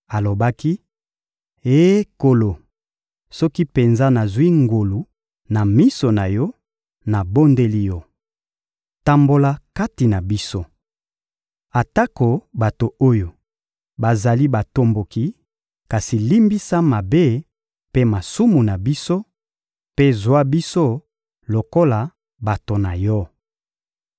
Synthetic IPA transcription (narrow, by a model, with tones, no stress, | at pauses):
a˨lo˨ba˦ki˦ | e˦ko˨lo˨ | sɔ˦ki˦pe˨nza˦na˨zi˦ŋɡo˨lu˨ | na˨mi˦so˨na˨jɔ˦ | na˨bo˦nde˦li˦jɔ˦ | ta˦mbo˦la˦ka˦ti˨na˨bi˦so˦ | a˨ta˦ko˨ba˨to˨o˦jo˨ | ba˨za˨li˦ba˨to˦mbo˨ki˦ | ka˨si˨li˦mbi˦sa˦ma˨be˦ | pe˦ma˨su˦mu˨na˨bi˦so˦ | pe˦zwa˦bi˦so˦ | lo˨ko˦la˨ | ba˨to˨na˨jɔ˦